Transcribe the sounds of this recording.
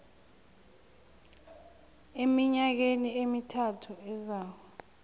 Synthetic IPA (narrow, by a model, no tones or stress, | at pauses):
emiɲak̬eniemitʰatʰuɛzaːwɔ